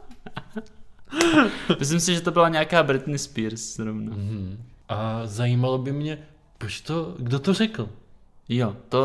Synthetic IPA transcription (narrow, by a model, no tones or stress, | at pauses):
mɪs̬lɪmsɪʒɛt̪obɪlaɲɛakaːbɾɪt̪nispiɾsɾovnaɦ̩ʔazajiːmalobɪmɲɛ | pɾot͡ʃt̪oɡdot̪orɛkl̩jot̪o